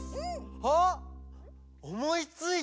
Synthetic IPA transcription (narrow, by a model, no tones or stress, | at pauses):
ho | omoit͡sɨi